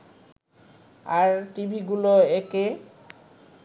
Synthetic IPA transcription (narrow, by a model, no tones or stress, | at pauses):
aɾʈibʱiɡuloeke